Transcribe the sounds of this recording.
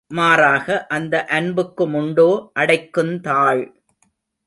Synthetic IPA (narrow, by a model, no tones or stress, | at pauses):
maːɾaːɣɐʔɐnd̪ɐʔɐnbɯkːɯmʊɳɖoːʔɐɽɐɪkːɯmt̪aːɭ